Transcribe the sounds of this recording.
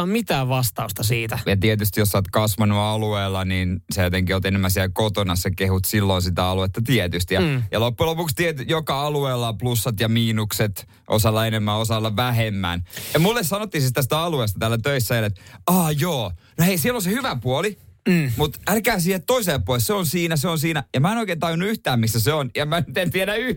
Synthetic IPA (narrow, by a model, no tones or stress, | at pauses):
mmit̪æːʋʋɑst̪ɑust̪ɑsiːt̪æjɑt̪iet̪yst̪ijosːɑːt̪kɑsʋɑnuɑlueːlːɑniːnsejot̪eŋkiolt̪enemːæsiɛlkot̪onɑssekehut̪silːonsit̪æɑluet̪ːɑt̪iɛt̪yst̪ijɑjɑlopːulopukst̪iet̪yjokɑɑlueːlːɑplusːɑt̪jɑmiːnukset̪ | ʔo̰sɑlːɑenemːæosɑlːɑʋæhemːæ̰njɑmulːessɑnot̪ːiseit̪æsi̥t̪æɑluest̪ɑt̪ælːæt̪øisːæelet̪ɑːjoːnoheisiɛlonsehyʋæpuolimut̪ælkæːsiːhet̪toiselːpːuolesseonsiːnæseonsiːnæjɑmæenoikeːnt̪ɑijonːuyht̪æːmmisːæseonjɑmænyt̪ent̪ieɾæy